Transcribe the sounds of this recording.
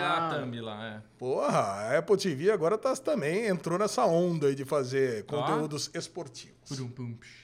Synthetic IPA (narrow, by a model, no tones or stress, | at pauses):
at̪ɐ̃mbila̰ɛpohɐɛpowt̪iviaɡɔɾɐt̪at̪ɐ̃mbẽj̃ẽnt̪ɾonɛsɐõnd̪ɐid͡ʒɪfazeɾkõnt̪eud̪ʊzespoɾt͡ʃivʊsɾũpɨ̃p